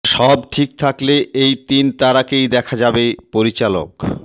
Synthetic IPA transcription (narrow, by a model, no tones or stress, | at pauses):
ʃɔbʈʰik̚t̪ʰakleejt̪int̪aɾakejd̪ɛkʰad͡ʑabepoɾit͡ɕalo̰k